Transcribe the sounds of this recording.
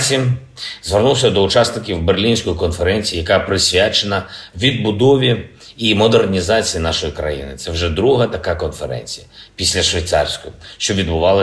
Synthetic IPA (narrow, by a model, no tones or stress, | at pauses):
sʲim | zʋernulˠsʲɐd̪ɔʊt͡ʃasnɪkʲiwberlʲinʲsʲkɔjikɔnfeɾɛnʲt͡sʲijːjɐkapɾɪsʲʋʲat͡ʃenɐʋʲid̪̚bʊd̪ɔʋʲi | imɔd̪ernʲizɑt͡sʲijinɑʃɔjikɾɐ̰jḭnɪt̪sɛwʒɛd̪ɾuɦɐt̪ɐkakɔnfeɾɛ̰nʲt͡sʲijɐpʲisʲlʲɐʃʋʲijt̪sɑ̰rsʲkɔjʊʃt͡ʃɔʋʲid̪̚bʊʋɑlˠɐ